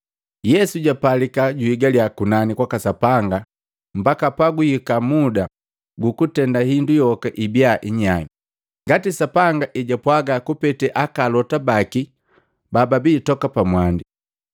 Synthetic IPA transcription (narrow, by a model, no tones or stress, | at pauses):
jɛsuɟapalikaɟuiɡaljakunanikwakasapaŋɡa | m̩bakapaɡuhikamuda | ɡukutɛndahindujɔkaʔibiaʔiɲaɲi | ŋɡatisapaŋɡaʔiɟapwaɡakupɛtɛʔakalɔtabaki | bababitɔkapamwandi